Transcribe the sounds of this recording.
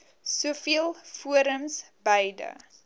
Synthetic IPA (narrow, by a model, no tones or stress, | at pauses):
suəfiəlˠfuəɾəms | bəjdə̰